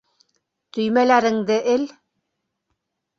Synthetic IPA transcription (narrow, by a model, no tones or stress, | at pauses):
t̪ɵ̆jmælæɾɘ̆ŋd̪ɘʔɘl